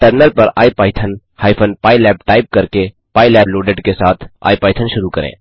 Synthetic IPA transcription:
ʈəɾnəlpɐɾa̰ːipaːɪt̪ʰən | haːjpʰənpaːilɛːpʈaːɪp̚kɐɾke | paːilɛːploːɖeɖkesaːt̪ʰa̰ːipaːjt̪ʰənʃʊɾukɐɾḛ̃ː

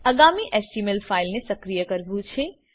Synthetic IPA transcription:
əɡamiʔɛsʈimelfailnesəkɾijəkəɾbũt͡ʃʰe

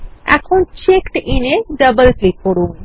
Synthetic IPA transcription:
ɛ̰kʰont͡ʃekʈineɖəbəlklip̚ːoɽuːn

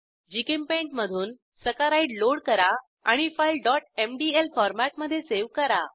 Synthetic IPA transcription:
d͡ʑikəmpẽɳʈməd̪ʱuːn | səkaɾaiɽloɽkəɾa | a̰ɽ̃ifajlɖɔʈemɖielfɔɾmæʈməd̪ʱːjeseʋkəɾa̰

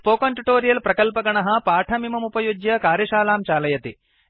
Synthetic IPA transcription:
poːkɐɳʈiʈoːɾijɐlpɾɐkɐlpɐɡɐɳɐɦɐ̆paːʈʰɐmimɐmupɐjud͡ʒjɐkaːɾjɐʃaːlaːmt͡ʃaːlɐjɐt̪i

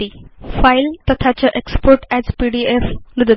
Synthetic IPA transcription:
ifajlt̪ət̪ʰat͡ɕaʔekspoɾʈɛzpiɖieflud̪ə

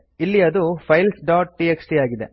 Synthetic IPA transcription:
ilːiɐɐd̪upʰɐjlsɖaːʈ̚ʈieksʈiaːɡid̪ḛ

